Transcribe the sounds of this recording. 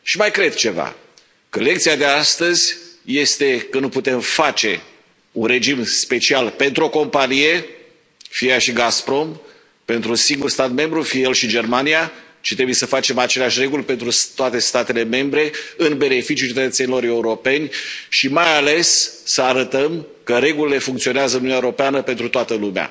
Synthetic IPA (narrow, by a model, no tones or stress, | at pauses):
ʃimajkɾe̞d̪̚t͡ʃe̞va̰ | kəle̞k̚t̪siad̪e̞ast̪əzʲje̞st̪e̞kənuput̪e̞mfat͡ʃe̞ | unre̞d͡ʒimspe̞t͡ʃialpe̞nt̪ɾuo̞ko̞mpanije̞ | fiaʃiɡaspɾo̞m | pe̞nt̪ɾusiŋɡurst̪at̪me̞mbɾufiejelʃid͡ʒe̞rmania | t͡ʃit̪ɾe̞buje̞səfat͡ʃe̞mat͡ʃe̞leaʃʲre̞ɡulʲpe̞nt̪ɾut̪oat̪e̞st̪at̪e̞le̞me̞mbɾe̞ɨnbe̞ne̞fit͡ʃijut͡ʃeet̪ət̪senilo̞ɾe̞uɾo̞pe̞nʲʃimajale̞sːəaɾət̪əm | kəɾe̞ɡulile̞fuŋkt̪sio̞neazəɨnunaeuɾo̞peanəpe̞nt̪ɾut̪oat̪əlumea̰